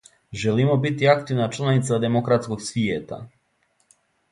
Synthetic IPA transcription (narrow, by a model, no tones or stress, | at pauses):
ʒɛlimobit̪iakt̪ivnat͡ʃlˠanit̪sad̪ɛmokɾat̪skoksviet̪a̰